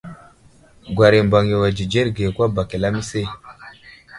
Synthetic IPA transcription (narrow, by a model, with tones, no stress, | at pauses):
ɡwa˨ɾi˨mba˨ŋje˨wa˨d͡ʒi˨d͡ʒe˦ɾɡe˨kwa˦ba˨ki˨la˦mi˦se˦˨